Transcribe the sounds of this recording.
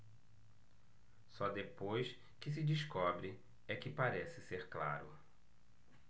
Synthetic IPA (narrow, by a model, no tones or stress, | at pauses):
sɔd̪epojs | kɪs̬ɪd͡ʒiskɔbɾɪ | ɛkɪpaɾɛsɪseɾkla̰ɾʊ̰